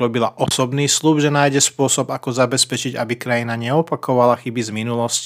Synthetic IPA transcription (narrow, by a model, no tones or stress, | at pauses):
ɾɔbilaʔɔsɔbniːslupʒɛnaːjɟɛspʊɔsɔbakɔzabɛspɛt͡ʃiɟa̰bikɾajinaɲɛɔpakɔʋalaxibizminulɔsc